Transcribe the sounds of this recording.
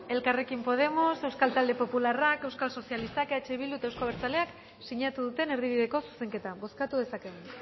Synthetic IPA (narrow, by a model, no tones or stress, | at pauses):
e̞lkare̞kimpo̞ð̞e̞mo̞se̞wskalt̪ald̪e̞po̞pularake̞wskalso̞sijalist̪akeat͡ʃeβild̪ut̪ewskoβeɾt͡sale̞ak | siɲat̪uðut̪e̞ne̞ɾð̞iβ̞iðe̞ko̞su̥se̞ŋke̞t̪aβo̞skat̪uðe̞sakeen